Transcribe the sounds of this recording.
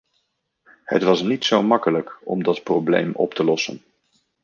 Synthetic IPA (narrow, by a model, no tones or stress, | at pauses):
hə̰tʋɑsnitsowmɑkələkɔ̰mdɑtprowblḛjmʔɔ̰ptəlɔsə̰n